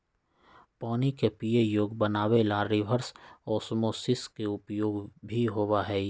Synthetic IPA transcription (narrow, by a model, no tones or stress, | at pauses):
pɔːnikepijejoːɡbənaːwelaɾɪʋʱəɾsɔːsmosɪskeʊpjoːɡbʱiɦowaɦɛː